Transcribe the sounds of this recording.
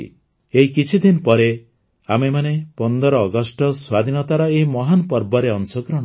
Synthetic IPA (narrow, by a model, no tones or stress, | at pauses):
eɦikit͡ʃʰid̪inpɔɾe | amemanepɔnd̪ɔɾɔːɡɔsʈɔswad̪ʱinɔt̪aɾɔemɔɦanpɔɾbɔɾeɔnsɔɡɾɔɽ̃ɔ